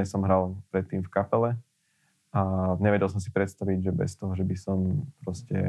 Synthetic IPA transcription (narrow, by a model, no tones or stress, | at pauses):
ɛsɔmɦɾalpɾɛt̪ːiːmfkapɛlɛ | aɲɛʋɛɟɛlˠs̬ɔmsi̥pɾɛt̪st̪aʋiɟʒɛbɛ̰st̪ɔɦɔʒɛbisɔmpɾɔscɛ̰